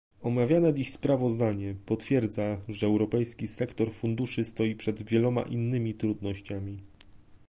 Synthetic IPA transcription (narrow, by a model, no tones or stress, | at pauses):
ɔmavʲjanɛd̪ixspɾavɔzd̪aɲɛpɔt̪fʲjɛɾd̪zaʐɛːwɾɔpɛjskʲisɛkt̪ɔɾfund̪uʂɘst̪ɔjipʂɛd̪vʲjɛlɔma̰ʔinːɘmʲit̪ɾud̪nɔɕt͡ɕamʲi